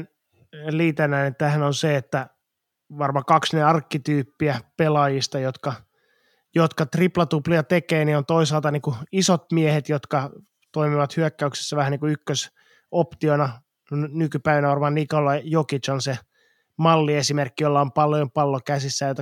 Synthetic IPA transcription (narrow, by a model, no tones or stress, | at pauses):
n | liːt̪ænːæːnet̪æhænonseet̪ːæ | ʋɑrmɑkɑksneɑrkːit̪yːpːiæpelɑjist̪ɑjot̪kɑ | jot̪kɑt̪riplɑt̪upliɑt̪ekeːniːont̪oisɑlt̪ɑniːŋkuisot̪̚miehet̪jot̪kɑ | t̪oimiʋɑt̪hyækːæykse̥sːæʋæhæniːŋkuykːøs | opt̪ionɑ | nnnykypæiʋænæʋɑrmɑːnikolːɑjokit͡ʃonse | mɑlːiesimerkːijolːɑompɑljompɑlːokæsisːæjot̪ɑ